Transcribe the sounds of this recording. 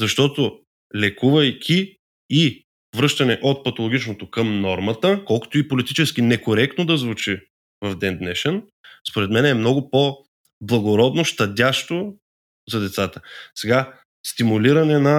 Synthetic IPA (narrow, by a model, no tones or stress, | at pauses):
zɐʃt̪ɔt̪o | lɛkuvɐjkʲʰiː | vɾɤʃt̪ɐnɛʔot̪̚pɐt̪olˠoɡʲit͡ʃnot̪okəmnɔɾmɐt̪əkɔlˠko̥t̪oipolit̪it͡ʃɛsk̟inɛkoɾɛk̚t̪nod̪ɐzvut͡ʃi | vɐvd̪ɛnd̪nɛʃɛn | spoɾɛt̪mɛnɛmnɔɡʊpo | blˠɐɡoɾɔd̪noʃt̪ɐd̪ʲaʃt̪o | zɐd̪ɛt̪sat̪ə̥sɛɡa | st̪imuliɾɐnɛnɐ